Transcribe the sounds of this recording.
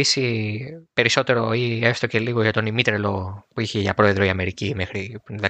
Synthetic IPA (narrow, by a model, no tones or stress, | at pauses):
isipe̞ɾiso̞t̪e̞ɾo̞iest̪o̞ce̞liɣo̞ʝɐt̪o̞nimit̪ɾelo̞puiçeʝɐpɾo̞eðɾo̞iɐme̞ɾicime̞xɾiðe